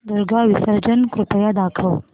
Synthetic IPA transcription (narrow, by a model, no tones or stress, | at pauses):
d̪uɾɡaʋisəɾd͡ʒənkɾupəjad̪akʰəw